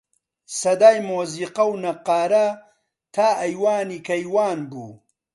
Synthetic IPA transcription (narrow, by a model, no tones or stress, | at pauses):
sɐd̪aːjmoːziːqɐwnɐqːaːɾɐ | t̪ʰaːɐjwaːnikɐjwaːnbṵː